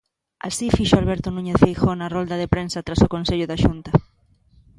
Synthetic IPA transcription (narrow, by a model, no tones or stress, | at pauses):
a̰sifiʃoalβeɾt̪onũɲeθfejxonarold̪aðepɾensat̪ɾasokõnseʎʊðaʃunt̪a